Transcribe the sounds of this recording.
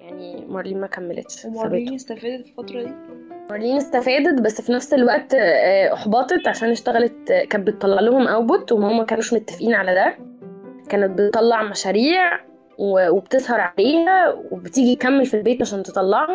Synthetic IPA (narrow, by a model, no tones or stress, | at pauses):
jaʕnimɑɾˤliːnmækæmːelḛt̪ʃɑbet̪st̪æfːd̪fifɑt̪ɾˤɑimɑɾˤliːnest̪æfæːd̪ed̪bæsːfinæfselwæʔt̪ːʔɑħbɑt̪ˤet̪ʕaʃæːneʃt̪æɣælet̪kæːbet̪ːˤɑlːɑʕlohomʔæwbot̪wemæhomːækæːnuːʃmot̪ːæ̥fʔiːnʕalæd̪æ | kæːnet̪̚bet̪ˤːɑlːɑʕmæʃæɾiːʕ | wewebet̪ezˤhɑɾˤʕaleːhæwebet̪iːɡit̪̚kæmːelfilbeːt̪ʕaʃæːnt̪et̪ˤːɑlːɑʕhɑ